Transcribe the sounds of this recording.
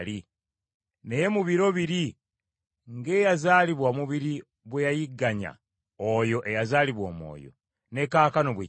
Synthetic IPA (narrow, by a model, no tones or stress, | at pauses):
li | ne̞je̞muβiɾo̞βiɾi | ŋɡe̞ːjazaːliβwamuβiɾi | βwejajiɡːaɲa̰ | ojo̞ʔe̞jazaːliβwomo̰ːjo̰ | ne̞kːaːkano̞βwe